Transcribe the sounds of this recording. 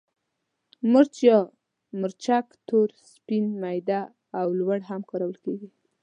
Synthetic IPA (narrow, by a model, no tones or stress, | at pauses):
mʊɾt͡ʃjɔ | mʊɾt͡ʃakt̪oɾspinmajd̪aː | wlwaɽɦamkɑɾawəlkeɡi